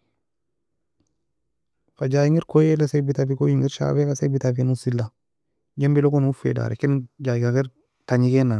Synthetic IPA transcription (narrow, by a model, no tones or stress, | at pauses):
fad͡ʒajiŋiɾkojelasebitabikojiŋiɾʃa̰bekasebitafinusilːa | d͡ʒembilokonufḛda̰ɾḛkind͡ʒaiɡaɡiɾ | taɲikena